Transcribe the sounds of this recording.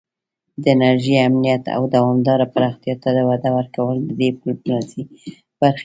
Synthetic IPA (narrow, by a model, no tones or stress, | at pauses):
d̪əɪnaɾʒiamnijat̪a̰wd̪awɑmd̪ɑɾapaɾɑxt̪ijɑt̪ːad̪əwad̪awəɾkawəld̪əd̪epulnazi | b̥aɾx